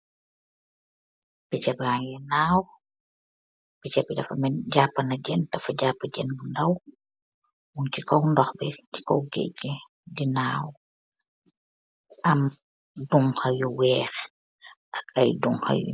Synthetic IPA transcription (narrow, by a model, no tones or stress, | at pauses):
b̥ɛt͡ʃabaŋjɛnaːw | bɛt͡ʃapidafa̰mɛnd͡ʒapːanad͡ʒɛndafad͡ʒapːad͡ʒɛnɡundaw | wunt͡ʃikɔwndɔxbɛt͡ʃi̥kɔwɡḛɟɛ | dinaːw | ʔam | duŋhajuwɛːɾ | ʔakajduŋha̰jṵ